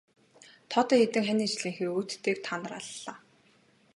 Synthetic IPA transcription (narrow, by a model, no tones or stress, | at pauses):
t̪ʰɔt̪ɞxet̪ɘ̆ŋxænʲiːt͡ɕɮiːŋxeːuːt̪ːeːk̚t̪ʰanə̆ra̰ɮːaː